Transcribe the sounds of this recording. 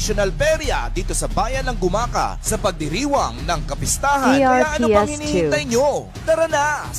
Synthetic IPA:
ʃonɐlpɛɾjɐ̰d̪iːt̪o̞sɐbaːjɐnɐŋɡʊmaːkɐ̰sɐpɐɡ̚d̪ɪɾiːwɐŋnɐŋkɐpɪst̪aːɦɐinɐjaʔɐnoɛshɪnihɪuɐjɲo | d̪ɐɾɐnas

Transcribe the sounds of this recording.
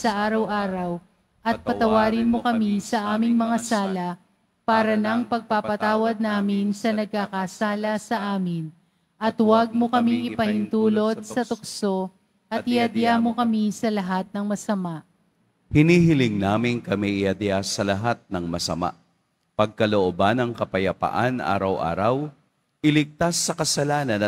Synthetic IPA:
sɐʔaːɾɐwʔaːɾɐw | ʔɐt̪̚pɐt̪ɐwaːɾɪnmokɐmisɐʔaːmɪŋmɐŋɐsaːlɐ | paːɾɐnɐŋpɐɡ̚papɐt̪aːwɐd̪̚naːmɪnsɐnɐɡ̚kakasaːlɐsɐʔaːmɪn | ʔɐt̪wɐɡ̚mokɐmiŋʔɪpɐhɪnt̪uːlo̞d̪̚sɐt̪ʊkso̞ | ʔɐt̪ɪhɐd̪jamokɐmisɐlɐɦat̪̚nɐŋmɐsɐmaʔ | hɪniːhɪlɪŋnaːmɪnkɐmiʔɪjɐd̪jasɐlɐɦat̪̚nɐŋmɐsɐ̰ma̰ʔ | pɐɡ̚kɐloʔobanɐŋkɐpɐjɐpa̰ʔa̰nʔa̰ːɾɐwʔa̰ːɾɐw | ʔɪlɪɡ̚t̪asːɐkɐsɐlaːnɐnɐ

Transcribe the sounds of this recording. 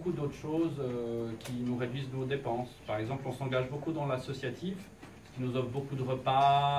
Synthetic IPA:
okud̪ot̪χʃoːzøkʲʰinuʁed̪ɥiznod̪epɑ̃spaʁɛɡzɑ̃plɔ̃sɑ̃ɡaʒbokud̪ɑ̃lasɔsjat̪ʰiv | sə̥kʲinuzɔfbokud̪əʁəpa

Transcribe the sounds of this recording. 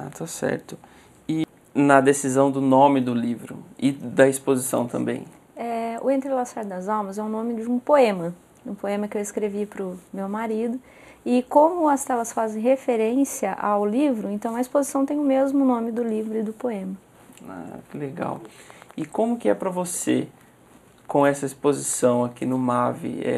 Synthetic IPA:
a̰t̪asɛ̰ɾt̪ʊ | ɪ | nɐd̪esizɐ̃w̃d̪ʊnõmɪd̪ʊlivɾʊ̰ɪd̪ɐispozisɐ̰̃w̃t̪ɐ̰̃mbḛ̃j̃ | ɛʊ̰ẽnt̪ɾelasaɾd̪ɐzawmɐzɛʊnõmɪd͡ʒɪũpoẽmɐ | ũpoẽmɐkɪewɪskɾevipɾʊmewmaɾid̪ʊ | ɪkõmʊɐst̪ɛlɐsfazẽj̃hefeɾẽsiɐʔa̰wlivɾʊẽnt̪ɐ̃w̃ɐispozisɐ̃w̃t̪ẽj̃ʊmezmʊnõmɪd̪ʊlivɾʊɪd̪ʊpoẽmɐ | a̰kɪleɡa̰wɪkõmʊkɪɛpɾɐvose | kõɛsɐispozisɐ̃w̃akinʊmavɪ̰ɛ̰

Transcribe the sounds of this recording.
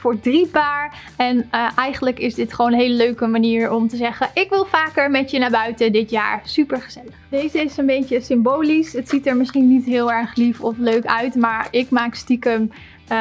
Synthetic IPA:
fʊːɹdripaːɹ | ɛnʔɛjχənləkɪzdɪtχəoːnənɦejləløɥkəmaniːɹɔmtəzɛχəʔɪkʋɪlˠfaːkəɹmɛtjənaːbœɥtədɪtja̰ːɹsypəɹχəz̥ɛləχdejzəɪsənbejtəsɪmboːlisətsitəɹmɪsχinitɦɪːlˠɛɹχlifɔfløɥkœɥtmaːɹɪkmaːkstikəm

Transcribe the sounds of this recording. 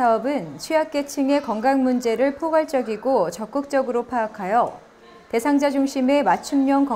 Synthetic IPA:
aʌbɯnt͡ɕʰɥiak͈e̞t͡ɕʰiŋe̞kʌŋɡaŋmund͡ʑe̞ɾɯɭpʰoɡwaɭt͡ɕ͈ʌɡiɡot͡ɕʌk͈ɯk̚t͡ɕ͈ʌɡɯɾopʰaːkʰajʌ | te̞sʰaŋd͡ʑad͡ʑuŋɕʰime̞mat͡ɕʰumɲʌŋkʌ

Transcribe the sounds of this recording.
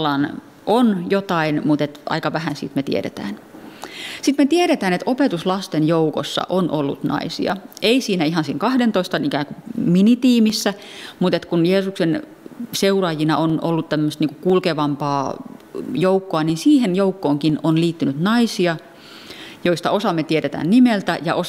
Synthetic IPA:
lɑn | ʔonjot̪ɑinmut̪et̪ʔɑ̰ikɑʋæhænsḭːt̪met̪ḭḛɾḛt̪æ̰ːn | sit̪met̪ieɾet̪æːnet̪ʔopet̪uslɑst̪enjouko̰sːɑ̰ʔonʔolːṵt̪nɑ̰isḭɑ̰eisiːnæiɦɑnsiːŋkɑhdent̪oist̪ɑnikæːŋkuminit̪iːmisːæmut̪et̪kunjeːsuksen | seurɑːjinɑʔono̰lːut̪t̪æmːøst̪niŋkukulkeʋɑmpɑː | joukːoɑninsiːhenjoukːoːŋkinonliːt̪ːynyt̪nɑisiɑ | joist̪ɑosɑmːet̪ieɾet̪æ̰nnimelt̪æjɑʔo

